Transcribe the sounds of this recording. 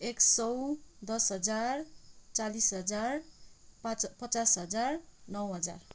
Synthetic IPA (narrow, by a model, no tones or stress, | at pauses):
eksʌwd̪ʌsɦʌd͡zart͡salisɦʌd͡zarppʌt͡sasɦʌd͡zarnʌwɦʌd͡za̰r